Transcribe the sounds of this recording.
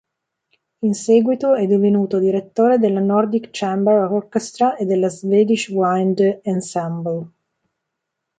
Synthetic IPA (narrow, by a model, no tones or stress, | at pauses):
insɛɡwit̪oɛd̪ːivenuːt̪od̪iɾet̪ːoːɾed̪elːanɔrd̪ikt͡ʃɛmbɛɾɔrkest̪ɾaʔed̪ːelːazveːd̪iʃwajnd̪ansambəl